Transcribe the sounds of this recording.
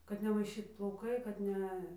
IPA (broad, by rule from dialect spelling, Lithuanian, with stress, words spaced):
kɐt nʲɛmɐɪˈʃʲiːt plˠɐʊˈkɐɪ kɐt ˈnʲɛ